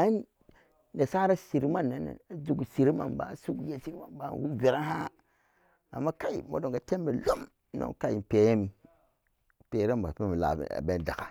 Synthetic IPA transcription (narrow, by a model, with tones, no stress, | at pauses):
a˦n˦ | ne˨sa˦ɾa˦si˨ɾi˦ma˦nːa˨nḛ˨a˨d͡ʒu˨ɡu˨si˨ɾi˦ma̰˨nba̰˨su˦ɡu˦ja˦si˦ɾi˦ma˨nba˨˦˨wu˦ve˨ɾa˦ɦa˦ | a̰˨mːa˦ka˦i˨mo̰˦do˨ŋ˨ɡa˨te˦mbe˨lo˦m˦ | no̰˦ka˦ji˨pe˨˦je˦mi˨ | pe˨˦ɾe˦mba̰˨pe˦m˨la̰˨a̰˨be˦n˦da˨ka˨